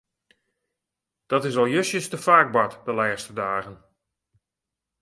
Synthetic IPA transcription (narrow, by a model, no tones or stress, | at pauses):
d̥ɔtɪsɔlˠjøsjəstəfaːɡ̚batdəlɛːstədaːɣən